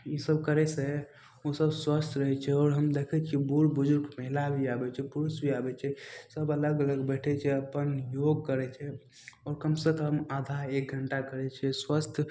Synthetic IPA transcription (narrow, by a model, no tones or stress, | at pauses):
jisəb̚kəɾɛse | osəbswəst̪ʰɾəɦɛt͡ʃʰɛɔːɾɦəmd̪ekʰɛt͡ʃʰibuɾbʊd͡ʒʊɾɡməɦilabʱiabɛt͡ʃʰɛpuɾusbʱiabɛt͡ʃʰɛsəbələɡələɡbɛʈʰɛt͡ʃʰɛəpənjoɡ̚kəɾɛt͡ʃʰɛ | ɔːɾkəmsə̃kɦəmaːd̪ʱaek̚ɡʱəɳʈakəɾɛt͡ʃʰɛswast̪ʰ